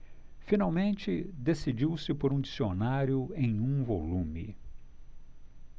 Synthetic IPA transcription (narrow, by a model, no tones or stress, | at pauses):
finawmẽnt͡ʃɪd̪esid͡ʒiwsɪpoɾũd͡ʒisionaɾjʊẽj̃ũvolũmɪ̰